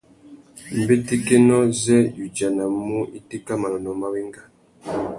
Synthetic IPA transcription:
m̩˨be˦ti˦ke˦nɔ˦zɛ˦ju˨d͡ʒa˨na˨mu˦ʔi˦ti˦ka˦ma˨lɔ˨nɔ˨ma˦wi˦ŋɡa˦

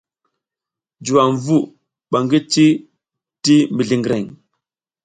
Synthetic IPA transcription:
d͡ʒu˨wa˨ɱ˨vu˦ | ɓa˨ŋɡi˦t͡ʃi˦ | ti˦mi˨ɮi˨ŋɡɾe˨ŋ

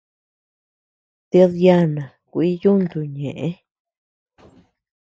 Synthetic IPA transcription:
t̪i˧ðja˦˧nã˨kʷi˦ju˦nd̪u˨ɲẽ˨ʔẽ˦

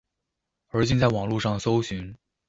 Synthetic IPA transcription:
ə˞˧˥t͡ɕi˥˧nt͡sa˥˩ɪwɑ˨˩ŋlu˥˧ʂɑ˥˩ŋso˥ʊɕy˧˥n

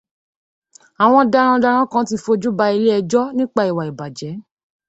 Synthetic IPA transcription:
a˨w̃ɔ̃˧da˧ɾ̃ã˧da˧ɾã˦kã˦ti˧fo˧d͡ʒu˦ba˧˦i˧le˦ɛ˧d͡ʒɔ˦nĩ˦k͡pa˦˨i˨wa˨i˨ba˨d͡ʒɛ˨˦

